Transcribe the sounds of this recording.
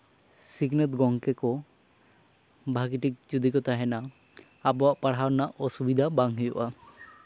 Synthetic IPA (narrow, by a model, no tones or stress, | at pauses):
siɡnet̪ɡɔŋkekɔ | bʱaɡiʈik̚d͡ʒud̪ikɔt̪aɦɛna | abɔaʔpaɽ̤awnaʔʔɔsubid̪ʱabaŋɦɔjuʔa